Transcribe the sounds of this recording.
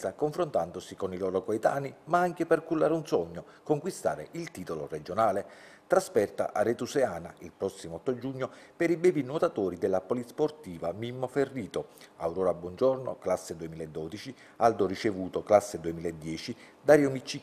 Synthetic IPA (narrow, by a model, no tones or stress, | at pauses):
akoɱfɾont̪and̪osikoniloːɾokoet̪aːnimaaŋk̟epɛrkulːaːɾeunsɔɲːo | koŋkwist̪a̰ːɾḛʔilt̪iːt̪olored͡ʒonaːle | t̪ɾaspɛrt̪a̰ʔarːet̪useaːnailpɾɔsːimoɔt̪ːod͡ʒuɲːopɛɾibɛːvinot̪at̪oːɾid̪ɛlːapolit̪sport̪iːvamimːoferːiːt̪oa̰wɾoːɾabwɔnd͡ʒɔrno̰klasːed̪uemiːlaed̪ːɔːd̪it͡ʃi | ald̪orit͡ʃevuːt̪oklasːed̪uemiːlaed̪ːjɛːt͡ʃi | d̪aːɾjomit͡ʃːi